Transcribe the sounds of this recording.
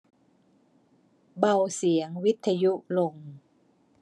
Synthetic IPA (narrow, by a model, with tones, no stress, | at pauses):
ba˧˩wsi˨˩˦əŋwi˦˥t̪ʰːa˧ju˦˥ʔlo˨˩ŋ